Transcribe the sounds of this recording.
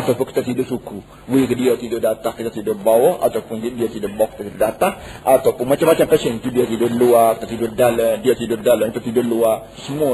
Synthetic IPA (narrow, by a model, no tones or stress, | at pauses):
at̪awpʊnki̥t̪at̪idʊsuku | wikədiat̪idʊʔdat̪ahkit̪at̪idʊʔbawɔha̰t̪awpʊnkdiat̪idaʔbaɔki̥t̪at̪idaʔdat̪ahʔat̪awpʊnmat͡ʃamːat͡ʃamkət͡ʃɛŋit̪udiat̪idʊʔluakit̪at̪idʊʔdalədiat̪idʊdaləmkit̪at̪idʊʔlua | səmua